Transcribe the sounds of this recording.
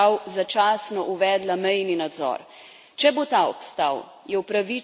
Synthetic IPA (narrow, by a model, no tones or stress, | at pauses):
awzat͡ʃaːsnɔʔuʋɛːd̪lamɛjninad̪zɔ̰ːɾ | t͡ʃɛbot̪aːɔ̰pst̪a̰w | jɛwpɾaʋi